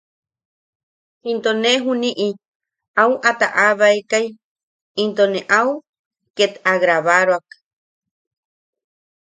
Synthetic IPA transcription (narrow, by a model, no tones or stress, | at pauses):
hint̪oneɦuniʔi | awʔat̪aʔaβaekaj | int̪oneʔau | ket̪aɣɾaβaɾoak